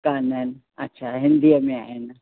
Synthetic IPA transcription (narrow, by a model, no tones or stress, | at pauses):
kanən | ɐ̰tːʃʰaɦɪnd̪ijamẽa̰ːena